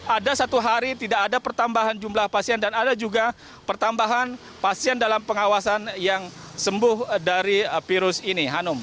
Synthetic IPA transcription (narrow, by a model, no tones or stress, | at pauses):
ʔadasat̪uɦaɾit̪idakːdapərt̪ambaɦand͡ʒumlahpasiandanadad͡ʒuɡa | pərt̪ambaɦan | pasiandalampəŋawasanjaŋsəmbʊhdaɾifiɾʊsiniɦanʊm